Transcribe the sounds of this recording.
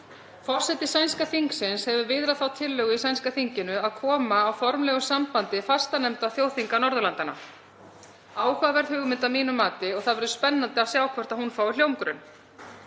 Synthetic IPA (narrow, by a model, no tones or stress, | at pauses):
fɔr̥sɛt̪ɪsajnskaθiŋksɪnshɛvʏvɪðɾaθawt̪ʰɪlːœɣʏisajnskaθiɲcɪnʏaðkʰɔːmaːwfɔɾmlɛːɣʏsampant̪ɪfast̪anɛmt̪aθjoːwθiŋkanɔɾðʏlant̪ana̰ | aːwkavɛɾð̥hʏːɣmɪnt̪amiːnʏmaːt̪ɪɔɣθaðvɛɾðʏspɛnːant̪ɪawsjaːwkʰvɛɾ̥t̪aðhunfaːwljowŋkɾʏn